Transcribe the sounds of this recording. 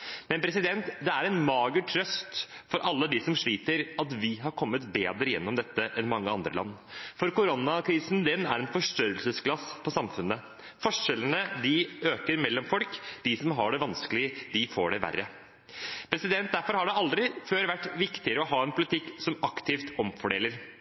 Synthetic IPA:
mɛnpʰɾɛsɪd̪ɛnt̪d̪ɛæɾɛnmɑːɡəʈʰɾœst̪fɔɾʔɑlːəd̪ɪsɔmʂɭiːt̪əɾɑt̪ʋɪɦɑɾkʰɔmːət̪beːd̪ɾəjɛ̰nːɔmd̪ɛt̪ːəʔɛnmɑŋːəɑ̰nd̪ɾə̰lɑ̰nː | fɔɾkʊɾɔnːɑkʰɾiːsnd̪ɛnæ̰ɾɛnfɔʂʈøɾəlsəsklɑspʰɔsɑmfʉnːə | fɔʂɛlənəd̪ɪøːkəɾmɛlːɔmfɔlkd̪ɪsɔmɦɑɖɛʋɑnskəlɪəd̪ɪfoːɖɛʋæ̰rːə | pʰɾɛsɪd̪ɛnt̪̚d̪æɾfɔɾhɑɖɛɑld̪ɾɪføːɾʋæʈːʋɪkt̪ɪəɾəɔɦɑːɛnpʰʊlɪt̪ʰɪkːsɔmɑkt̪ʰɪːft̪ɔmfɔɖeːləɾ

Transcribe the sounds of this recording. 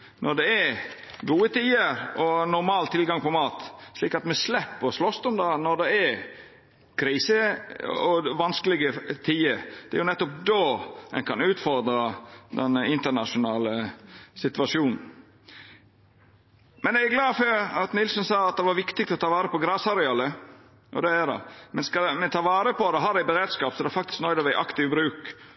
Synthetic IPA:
nʔɔɖ̪ɛɛɾ | ɡuːət̪ʰiːəɾɔnʊɾmɑːlt̪ʰɪlɡɑŋpɔmɑːt̪sliːkɑt̪mɛslɛpːɔslɔst̪ɔmd̪ɑːnɔd̪ɛɛɾ | kʰɾiːsəɔʋɑnskəlɪɡət̪ʰiːəɾd̪̥ɛæɾjʊnɛt̪ːʊp̚d̪oːɛ̰nkʰɑnʉːt̪fɔɾd̪ɾəd̪ɛnɪnt̪ənɑʂʊnɑːləsɪt̪ʋɑʃuːnn̩ | mɛnɛæɡlɑːføːɾɑt̪nɪlsɔnsɑːɑt̪̚d̪ɛʋɑɾʋɪkt̪ɪk̚t̪ɔt̪ʰɑːʋɑːɾəpɔɡɾɑːsɑɾɛɑːlə | ʔɔ̰d̪ɛæd̪ɛ̰mɛnskɑmɛt̪ʰɑːʋɑːɾəpɔd̪ɛɦɑd̪æɪbəɾeːd̪skɑːpsɔd̪ɛæfɑk̚t̪ɪ̥sknɔɪd̪ɛʋæɪʔɑkt̪ɪʋbɾʉːk

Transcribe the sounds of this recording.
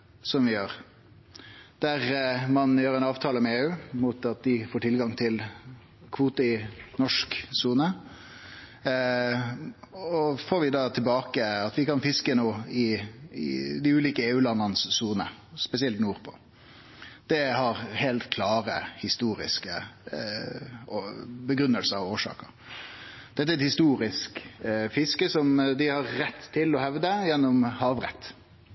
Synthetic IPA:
sɔmʋɪjøːʁ | d̪̥æʁmɑnjøːɾɛnɑːʋt̪ʰɑːləmɛeːʉːmʊt̪ɑt̪̚d̪ɪfoːʈʰɪlɡɑŋt̪ʰɪl | kʰʋuːt̪əɪnɔʂksuːnə | ɔfoːɾʋɪd̪ɑːt̪ʰɪlbɑːkəɑt̪ʋɪkɑnfɪskənuːɪɪ̰d̪ɪʉːliːkəeːʉːlɑnːɑnəssuːnəspɛsɪɛlt̪nuːɾpʰo̥̰ː | d̪̥ɛhɑɾhɛlt̪kʰlɑːɾə̰hɪst̪uːɾɪ̰skə̰ | bəɡɾʉnːəlsəɾɔoːʂɑ̰ːkəɾ | d̪̥ɛt̪ːəæɛt̪hɪst̪uːɾɪskfɪskəsɔmd̪ɪhɑɾːɛt̪ʰːɪlɔhɛʋd̪əjɛnːʊmhɑːʋɾɛ̰t̪ː

